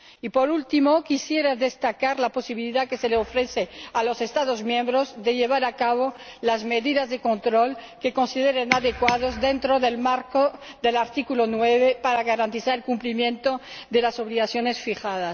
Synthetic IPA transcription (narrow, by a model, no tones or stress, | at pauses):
ipo̞ɾult̪imo̞kisje̞ɾaðe̞st̪akaɾlapo̞siβiliðake̞se̞leofɾe̞θealo̞se̞st̪aðozmjẽ̞mbɾo̞zðe̞ʎe̞β̞aɾakaβ̞o̞lazme̞ðiðazðe̞ko̞nt̪ɾo̞lke̞ko̞nsið̞eɾenaðekwaðo̞zðe̞nt̪ɾo̞ðe̞lmaɾko | ðe̞laɾt̪ikulonwe̞βepaɾaɣaɾant̪iθaɾelkumplimjẽ̞nt̪oðe̞laso̞βliɣaθjo̞ne̞sfixaðas